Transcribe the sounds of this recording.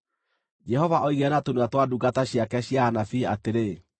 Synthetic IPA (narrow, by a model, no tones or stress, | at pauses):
d͡ʒɛɦɔvaʔɔiɣɛnatonuatwaduɡataɕjakɛɕjaanafiateɾe